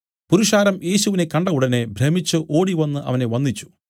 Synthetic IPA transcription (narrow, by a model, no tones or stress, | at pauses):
puɾuʂaːɾɐmje̞ːɕuʋine̞kɐɳɖɐuɽɐne̞bʱɾemit͡ɕːuʔo̞ːɽiʋɐnːɨʔɐ̰ʋɐne̞ʋɐnːit͡ɕːu̥